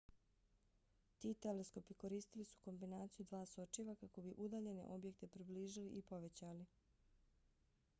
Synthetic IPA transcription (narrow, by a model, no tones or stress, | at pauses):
t̪iːt̪elesko̞piko̞ɾiːst̪ilisu̥ko̞mbinaːt̪sijud̪ʋaːso̞t͡ʃiʋakako̞biʔud̪aːʎe̞ne̞̰ʔo̞bje̞k̚t̪e̞pɾibliːʒiliʔipo̞ʋe̞t͡ɕali